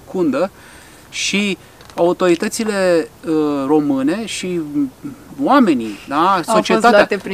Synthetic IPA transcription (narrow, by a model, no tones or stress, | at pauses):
kund̪ə | ʃi | aut̪o̞ɾit̪ət̪sile̞ | ro̞mɨne̞ʃi | wame̞nid̪asot͡ʃiet̪at̪t̪e